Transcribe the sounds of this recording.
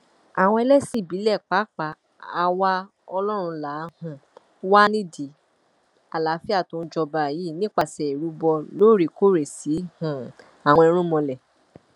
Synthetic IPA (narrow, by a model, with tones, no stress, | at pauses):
a˨w̃ɔ̃˧ɛ˧lɛ˦si˦˨bi˨˦lɛ˦˨k͡pa˨˦k͡pa˨˦ | a˧wa˦ | ɔ˧lɔ˦ɾ̃ũ˧la˨˦hũ˧˨ | wa˦nĩ˦di˨˦ | a˨la˨˦fi˦a˦˨tõ˧n̩˦d͡ʒɔ˧ba˨ji˨˦˨nĩ˦k͡pa˧˨sɛ˨i˨ɾu˧˦bɔ˧lo˦˨ɾi˨ko˦˨ɾe˨si˨˦hũ˨ | a˨w̃ɔ̃˧i˧˦ɾ̃ũ˦mɔ̃˧lɛ˨